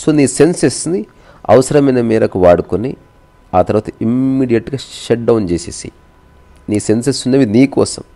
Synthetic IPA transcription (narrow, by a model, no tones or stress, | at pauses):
soːniːsensesni | ɐ̰ʋɐsɐɾɐmɐjnɐmiːɾɐkuʋaːɽukuni | aːt̪ɐɾuʋaːt̪ɐimːiːɽijɐʈɡaːʃɐʈ̚ɖɐwunt͡ʃeːsḛːsḭ | niːse̞nsesunːɐʋiniːkɔːsɐ̰m